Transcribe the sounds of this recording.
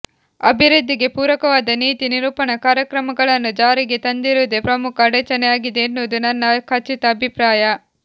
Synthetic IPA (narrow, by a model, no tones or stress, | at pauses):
ɐbʱiɾud̪ʱːiɡe̞puːɾʋɐkɐʋaːd̪ɐniːt̪iniɾuːpɐɳɐkaːɾjɐkɾɐmɐɡɐɭɐnːud͡ʒaːɾiɡe̞t̪ɐnd̪iɾuːd̪epɾɐmukʰɐːɽɛt͡ʃɐnɛjaːɡid̪eːnːuʋd̪unɐnːɐkʰɐt͡ʃːit̪ɐːbʱipɾaːjɐ